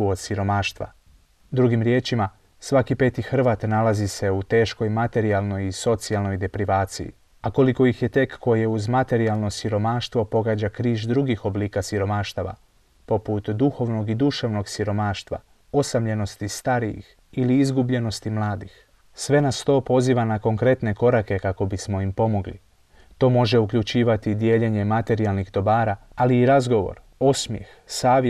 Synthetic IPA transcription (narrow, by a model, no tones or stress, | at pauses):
uod̪siɾo̞maːʃt̪ʋa̰ | d̪ɾuɡimɾje̞ːt͡ʃima | sʋakipe̞ːt̪ixr̩ʋaːt̪nalazise̞ut̪e̞ːʃko̞jmat̪e̞ɾialˠno̞jiso̞t̪sialˠno̞jd̪e̞pɾiʋaːt̪sḭjḭ | ako̞liko̞ixjet̪e̞kːo̞jijeuzmat̪e̞ɾialˠno̞siɾo̞maːʃt̪ʋo̞po̞ɡaːd͡ʑakɾiːʒd̪ɾuɡixobliːkasiɾo̞maːʃt̪aʋa̰ | po̞put̪d̪uxo̞ʋno̞ɡid̪uʃaʋno̞ɡsiɾo̞maːʃt̪ʋa̰ | o̞samʎe̞no̞st̪ist̪aɾijḭx | iliizɡubʎe̞no̞st̪imlˠaːd̪ix | sʋe̞nast̪o̞ːpo̞ziːʋanako̞ŋkɾe̞t̪ne̞ko̞ɾake̞kako̞bismo̞impo̞mo̞ɡlḭ | t̪o̞ːmo̞ʒe̞ukʎut͡ʃiːʋat̪id̪je̞ʎeɲe̞mat̪e̞ɾialˠnixd̪o̞baːɾaaliːɾazɡo̞ʋo̰ɾo̞smjḛx | saːʋj